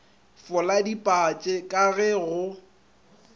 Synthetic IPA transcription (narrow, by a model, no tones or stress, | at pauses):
fʊladipʼat͡ʃʼɛkʼaɣɛɣʊ